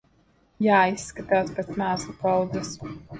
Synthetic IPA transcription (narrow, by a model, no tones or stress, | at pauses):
jaːisːkat̪awt̪spʲet̪smæːslˠupawd̪zɛs